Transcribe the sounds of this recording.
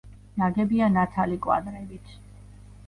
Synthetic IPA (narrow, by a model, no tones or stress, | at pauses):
naɡɛbianat̪ʰalikʼwa̰d̪ɾɛbit̪ʰ